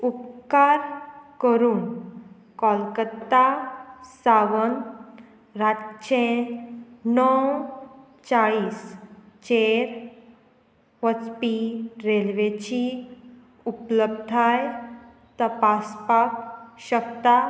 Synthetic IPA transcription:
upkaɾkəɾuːn | kɔlkət̪ːasaʋən | ɾat͡ɕẽ | nɔw | t͡saɭiːst͡ɕeɾ | ʋət͡spiɾelʋet͡ɕi | upləbd̪ʱaj | t̪əpaspakɕək̚t̪a

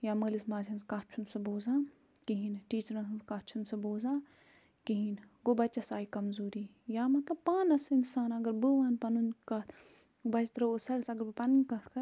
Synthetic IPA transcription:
jaːməːlismaːzʰʲɐnskaːt͡ʃʰunsɨboːzãː | kiɦinʈiːt͡ʃɾɐnsɨnskaːt͡ʃʰunsɨboːzãː | kiɦinɡobɐt͡ʃːɐsaːikɐmzuːɾi | jaːmɐt̪lɐbpaːnɐsinsaːnɐɡɐɾbɨʋaːnpɐnunkɐt̪ʰ | bɐt͡ʃʰt̪ɾɐosɐɾɐsɐɡɐɾbɨpɐnunʲkɐt̪ʰkɐ

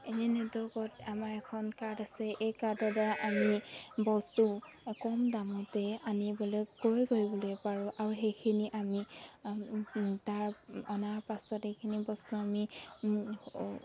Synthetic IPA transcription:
enɛnɛdɔkɔtamaɹɛkʰɔnkaɹdasɛʔejkadɔɹdaɹaʔamibɔstu | kɔmdamɔtɛanibɔlojkoɹjɡoɹibɔlojpaɹʊ̃ʔaɹuxejkʰiniʔami | taɹɔnaɹpasɔtejkʰinibɔstuami

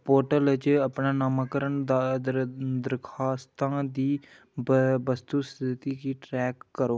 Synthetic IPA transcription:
poːɾʈələt͡ʃəpɳaːnaːmaːkəɾəɳd̪ad̪əɾkʰaːst̪ãːd̪iː | bəst̪uːst̪ʰɪt̪iːkiːʈɾɛːkːəɾoː

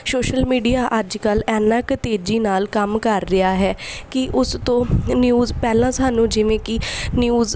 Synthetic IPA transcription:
soːʃəlmiːɖijaːʔəd͡ʒkəlɛːnãːkət̪eːd͡ʒiːnaːlkəmkəɾːɪaːɦɛːkɪʔʊst̪õːnjuːzpɛːlãːsaːnũːd͡ʒɪʋẽːkɪnjuːz

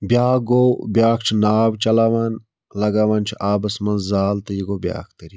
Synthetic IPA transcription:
bʲjaːɡoːbjaːkʰt͡ʃʰinaːwt͡ʃɐlaːʋaːn | lɐɡaːʋaːnt͡ʃʰiʔaːbɐsmɐnzzaːlt̪ɐjiɡoːbʲa̰ːkʰt̪ɐɾi

